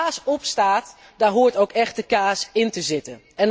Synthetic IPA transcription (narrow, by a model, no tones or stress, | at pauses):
aːsɔpstaːt | daːɹɦuːəɹtowkɛχt̚dəkaːsɪntəzɪtən | ɛn